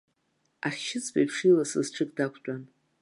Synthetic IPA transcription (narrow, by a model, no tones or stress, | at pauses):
aχʲʃɪt͡sʰʼba̰jpʰʂilasɨzʈ͡ʂʰɨkʼdakʷʰt͡pʷʼan